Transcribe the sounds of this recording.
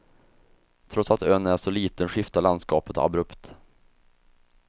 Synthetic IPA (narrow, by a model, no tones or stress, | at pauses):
t̪ʰɾɔt̪sat̪œnæʂɔliːt̪ənɧɪft̪aland̪skɑːpət̪a̰bɾɵpt̪